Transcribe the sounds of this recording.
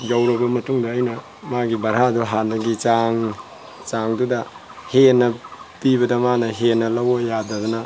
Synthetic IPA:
d͡ʒawɾɐbɐmɐtuŋdɐːjnɐ | maɡibɐɾɦaduɦanɐɡit͡ʃaŋ | t͡ʃaŋdudɐ | henːɐpibɐdɐmanɐɦenːɐlɐwojadɐdɔnɐ

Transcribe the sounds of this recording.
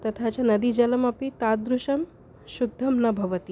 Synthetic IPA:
t̪ɐt̪ʰat͡ʃanɐd̪id͡ʒɐlɐmɐpit̪ad̪ɾuʃɐm | ʃud̪ʱːɐmnɐbʱɐʋət̪i

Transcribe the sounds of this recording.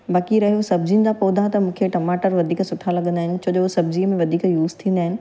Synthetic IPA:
baːkiɾɐɦijosɐbd͡ʑinɪ̆d͡ʑapoːd̪ʱat̪ɐmũːkʰeʈɐmaːʈəɾʋɐd̪ʱiːksʊʈʰalɐɠə̃nd̪aːɦɪnɪ̆t͡ɕʰoːʄoosɐb̚d͡ʑimẽʋɐd̪ʱiːkjuːzt̪ʰĩːnd̪aːɦɪnɪ̆

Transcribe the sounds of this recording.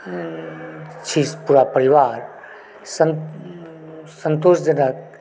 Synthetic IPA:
t͡ʃʰispuɾapəɾiʋaːɾ | sən | sənt̪oːʃd͡ʒənək̚

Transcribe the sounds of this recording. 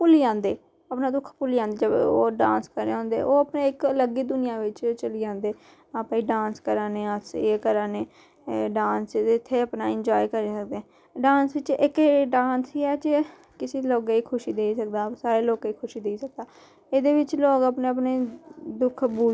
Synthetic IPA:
pʊliãːnd̪eː | əpnãːd̪ʊkʰpʊliːãːnd̪eːd͡ʒəb̰oːɖãːnskəɾeːɦõːnd̪ḛːʔoːəpneːɪkləɡiːd̪ʊnɪjãːʋɪt͡ʃt͡ʃəliːd͡ʒãːnd̪eː | aːpːiːɖãːnskəɾaːneːəseːkəɾaːneː | ɖãːnsɪt̪ʰːeːəpnaːɪnd͡ʒɔːikəɾeːsək̚d̪eːɛ̃ː | ɖãːnsʋɪt͡ʃɪkɖãːnsiːɛːd͡ʒe | kɪsiːloːɡiːkʰʊʃiːd̪eːisək̚d̪aːsaːɾeːloːkiːkʰʊʃiːd̪eːiːsək̚d̪aː | eːd̪eːʋɪt͡ʃloːkəpneːəpneːd̪ʊkʰbuː

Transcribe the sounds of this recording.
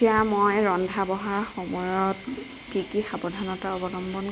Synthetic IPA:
ijamojɹɔndʱabɔɦaɹxomɔjɔt | kikixabɔdʱanɔtaɔbɔlɔmbɔn

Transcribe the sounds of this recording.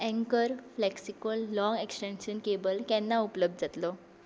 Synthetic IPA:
ɛ̃ŋkəɾflɛksikəlːɔ̃ŋɡeksʈɛ̃nɕənkebəlkɛnːaupləb̚d̪̚d͡zat̪lɔ

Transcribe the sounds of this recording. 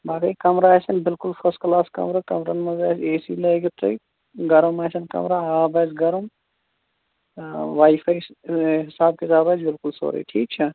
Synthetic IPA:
baːkɐjkɐmɾaːɐsɐnbɪlkʊlfʰɐsklaːskɐ̰mɾakɐ̰mɾɐnmɐzaːseːsiːlɐɡit̪ɾɐ̰i | ɡɐɾɐmɐːsɐnkɐ̰mɾaːaːbɐːzɡɐɾɐm | ʋaːifʰaːjɦɪsaːb̚kezaːbɐːzbɪlkʊlso̰ːɾḭːʈʰiːk̚t͡ʃʰɐ

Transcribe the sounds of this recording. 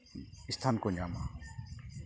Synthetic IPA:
ɪst̪ʰaːnkoɲaːma

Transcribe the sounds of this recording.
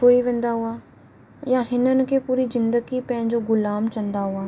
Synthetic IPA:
oːiʋẽːnd̪aɦʊa | jãɦɪnənɪ̆kʰeːpuːɾizɪ̃nd̪əɡipɐ̃ɦɪ̃ɲd͡ʑoɡʊlaːmt͡ɕɐ̃nd̪aɦʊaː

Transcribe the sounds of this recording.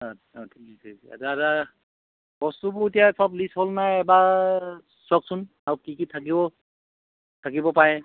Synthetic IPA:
ɔ | ɔtʰikasɛsa̰zaza | b̥ɔstubʊitijasɔblisholnajɛba | sɔksʊn | aɹukikitʰak̬ibɔ | tʰak̬ibɔpaɹɛ

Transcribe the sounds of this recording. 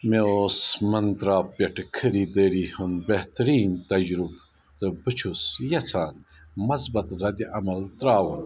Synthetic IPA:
meoːsmɐnt̪ɾaːppjɐʈəkʰəɾiːd̪əɾihunbeht̪ɐɾiːnt̪ɐd͡ʒɾub | t̪əbɨt͡ʃʰusjɐt͡sʰaːn | mɐzbɐt̪ɾɐd̪iʔɐmɐlt̪ɾaːwun

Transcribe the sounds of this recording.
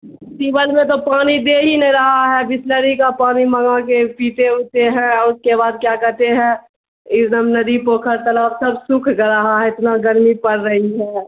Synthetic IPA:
tiːbəlmẽt̪̬opaːnid̪eːɦineɾɐɦaɦɛbɪsləɾikapaːniməŋak̬epiːt̪eʊt̪eɦɛ̃ɔʊskebaːd̪̚kjaːkɛɦt̪eɦɛ̃ | ɪd̪əmnɐd̪ipoːkʰəɾt̪əlaːbsɐbsʊkʰɡəɾəɦaɦɛɪt̪naɡəɾmipəɾːəɦiɦɛː

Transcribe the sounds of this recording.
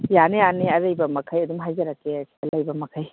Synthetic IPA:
janejaneɐɾɐjbɐmɐkʰɐjɐd̪umɦajzɐɾɐkːeɐsʰiɐlajbɐmɐkʰɐj

